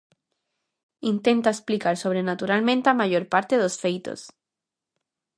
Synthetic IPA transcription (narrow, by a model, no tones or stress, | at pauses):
int̪e̞nt̪aesplikaɾso̞β̞ɾenat̪uɾalmẽnt̪eamaʝo̞ɾpaɾt̪eðosfejt̪o̰s